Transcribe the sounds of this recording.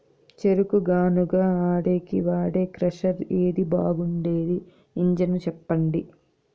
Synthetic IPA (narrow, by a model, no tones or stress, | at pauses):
t͡ʃeɾukuɡaːnuɡaːaːɽeːkḭʋaːɽeːkɾɐʂɐɾeːd̪ibaːɡuɳɖe̞ːd̪iː | ɲd͡ʒɐnut͡ʃɛpːɐɳɖi